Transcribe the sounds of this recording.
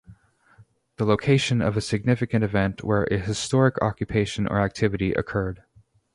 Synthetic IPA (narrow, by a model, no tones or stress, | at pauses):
ðəloʊkʰeɪʃɨ̃nʌ̰vɨsɨɡ̚nɪfɨkɨ̃ñɨvɛ̃nʔwə˞ʔɨhɨstɔɹɨkʰɑ̰kjɨpʰeɪʃɨ̃nʔə̰˞æk̚tʰɪvɨɾiʔɨ̰kʰɜ˞d̥